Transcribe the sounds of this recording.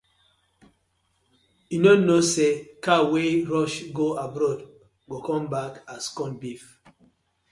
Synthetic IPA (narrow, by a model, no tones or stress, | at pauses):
jinonosekaweɹɔʃɡoabɾɔd | ɡokɔ̃mbakaskɔ̃nbif